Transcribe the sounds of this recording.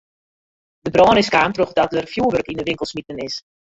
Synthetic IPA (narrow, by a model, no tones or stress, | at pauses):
dəbrɔːnɪskaːmtroχdɔt̚ərfjuːəʋørkindəʋɪŋkəlˠsmitənɪs